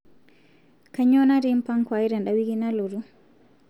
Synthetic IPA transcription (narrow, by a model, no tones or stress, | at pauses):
kaɲɔnaɾimpaŋkwaiɾɛnɗawiɡinalɔɾu